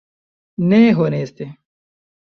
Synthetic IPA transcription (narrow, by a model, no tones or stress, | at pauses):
neːɦoːneːst̪e